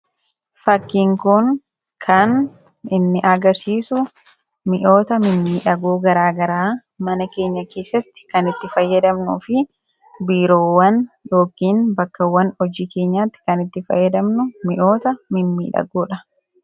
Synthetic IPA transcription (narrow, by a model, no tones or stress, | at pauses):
fɐkːiːŋkʊn | kʰɐn | ɪnːɪʔɐɡɐɾsiːsʊ | mɪʔo̞ːt̪ɐmɪmːiːᶑɐɡuːɡɐɾaːɡɐɾaː | mɐnɐke̞ːɲːɐke̞ːsːɐt̪ːɪ̥kɐnɪt̪ːɪfɐjːɐd̪ɐmnuːfɪ | biːɾo̞ːwːɐnjo̞ːkːiːnbɐkːɐwːɐnɔd͡ʒiːke̞ːɲːaːt̪ːɪ̥kɐnɪt̪ːɪfɐ̰jːɐd̪ɐmnʊmɪʔo̞ːt̪ɐmɪmːḭːᶑɐ̰ɡoːᶑɐ